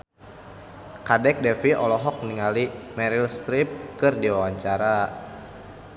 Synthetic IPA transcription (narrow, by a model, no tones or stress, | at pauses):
kadɛk̚dɛfiʔɔlɔɦɔk̚niŋalimɛɾilst̪ɾip̚kɨrdiwawaɲt͡ʃaɾa